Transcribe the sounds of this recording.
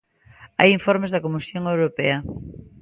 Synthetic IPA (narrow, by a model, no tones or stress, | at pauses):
a̰jiɱfoɾmezðɐkomisjoŋewɾopeɐ